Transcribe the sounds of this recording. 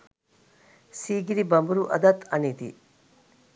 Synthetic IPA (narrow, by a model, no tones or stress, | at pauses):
siːɡiɾibɐmbuɾuʔɐ̰d̪ɐt̪ɐnit̪ḭ